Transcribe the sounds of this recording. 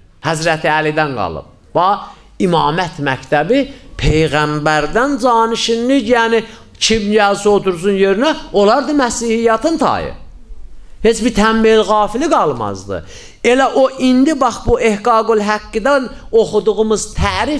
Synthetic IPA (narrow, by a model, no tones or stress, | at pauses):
hæzɾæt̪ʰiælid̪ænɡɑ̰lˠɯ̰b̥̚ | bɑ | imɑːmæt̪ʰmæct̪ʰæbipʰejɣæmbæɾd̪ænd͡ʒɑːniʃinlicjæːni | t͡ʃʰibnijælsiot̪ʰuɾs̬unjøɾynæolˠɑɾd̪ɯmæsihijɑt̪ʰɯnt̪ʰɑ̰jɯ̰ | he̞t͡ʃbiɾt̪ʰæmbelɣɑːfiliɡɑlˠmɑ̰zd̪ɯ̰ | e̞læʔoʔind̪ibɑχbue̞hɡɑɡolɦæɡːid̪æn | oχud̪uɣumɯz̥t̪ʰæːɾi